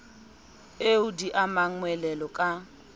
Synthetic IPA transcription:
eudiʔamaŋwɛlɛlɔkʼa

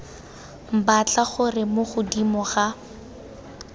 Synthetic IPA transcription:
m̩bat͡ɬaχʊrɪmʊχʊdimɔχa

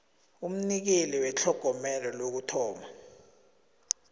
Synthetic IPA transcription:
um̩nik̬eliwɛt͡ɬʰɔɡ̥ʱɔmɛlɔlok̬utʰɔːma

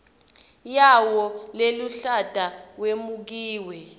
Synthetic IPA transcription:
jawɔleluɬad̥ʱawemuk̬iːwɛ

